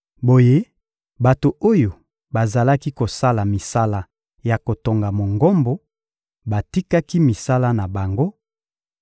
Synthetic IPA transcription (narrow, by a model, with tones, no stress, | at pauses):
bo˨je˦ | ba˨to˨o˦jo˨ | ba˨za˨la˦ki˦ko˨sa˦la˨mi˨sa˦la˦ | ja˨ko˨to˨ŋɡa˨mo˨ŋɡo˦mbo˦ | ba˨ti˦ka˦ki˦mi˨sa˦la˦na˨ba˨ŋɡo˦